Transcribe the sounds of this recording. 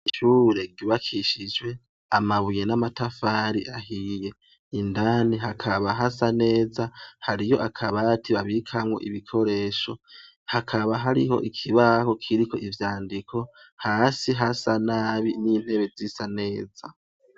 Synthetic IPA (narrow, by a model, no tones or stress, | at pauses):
iʃuːɾe̞ɡiβakʰiʃid͡ʒwe̞ | amaβuje̞namatafaɾiʔahije̞ | indaniɦakʰaβaɦasane̞ːzahaɾijo̞ʔakʰaβatiβaβikʰamŋo̞̰ʔiβikʰo̞ɾe̞ːʃo̞ | hakʰaβaɦaɾḭho̞̰ʔikʰiβaho̞kʰiɾikʰo̞̰ʔivjaːndikʰo̞haːsiɦasanaβiniːn̥he̞βe̞zisane̞ːza